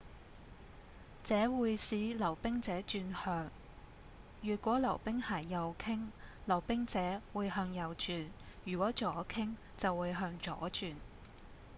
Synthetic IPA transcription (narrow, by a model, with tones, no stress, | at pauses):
t͡sɛː˨˥wuː˨˧jsiː˨˥lɐ˨˩wpɪ˥ŋt͡sɛː˨˥t͡ʃyː˧nhœː˧ŋ | jyː˨t̚kʷɔː˨˥lɐ˨˩wpɪ˥ŋhɐ˨˩jːɐ˨wkʰɪ˥ŋlɐ˨˩wpɪ˥ŋt͡sɛː˨˥wuː˨˧jɦœː˧ŋjɐ˨wt͡ʃyː˨njyː˨˩kʷɔː˨˥t͡ʃɔː˨˥kʰɪ˥ŋ | t͡sɐ˨wːuː˨˧jɦœː˧ŋt͡ʃɔ̰ː˨˥t͡ʃyː˨n